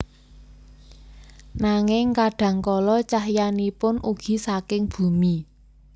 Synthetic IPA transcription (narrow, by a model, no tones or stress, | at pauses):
naŋɪŋkaɖ̥ä̤ŋkɔlɔt͡ʃahjanipʊnuɡ̥i̤sakɪŋb̥ṳmi